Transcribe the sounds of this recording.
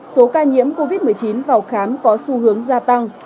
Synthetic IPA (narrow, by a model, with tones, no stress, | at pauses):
so˨˦kaː˧ɲḭ˧˥əmko˧vi˦˥t̚mɨ˨˩əjt͡ɕi˨˦nvaː˨˩wxaː˨˦mkɔ˨˦su˧hɨ˨˦əŋzaː˧t̪a˧ŋ